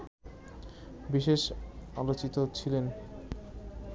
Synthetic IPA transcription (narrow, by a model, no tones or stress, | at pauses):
biʃeʃalot͡ɕit̪ot͡ɕʰilen